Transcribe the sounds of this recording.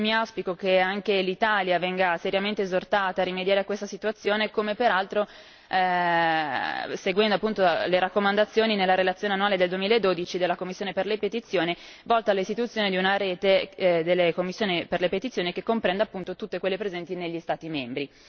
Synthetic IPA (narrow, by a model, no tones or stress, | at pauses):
miawspikok̟eaŋkelit̪aːljavɛŋɡaseɾjament̪eezort̪aːt̪aːrimed̪jaːɾeakːwest̪asit̪uat̪sːjoːnekomepeɾalt̪ɾo | seɡwɛnd̪oapːunt̪oleɾakːomand̪at̪sːjoːninelːaɾelat̪sjoːneanːuaːled̪eld̪uwemilaed̪ːoːd̪it͡ʃid̪elːakomːisːjoːneperlepet̪it̪sːjoːnivɔlt̪aːlːist̪it̪ut̪sjoːned̪iunaɾeːt̪ed̪elːekomːisːjoːniperlepet̪it̪sjoːnikekːompɾɛnd̪apːunt̪ot̪ut̪ːekwelːepɾezɛnt̪ineʎːist̪aːt̪imembɾi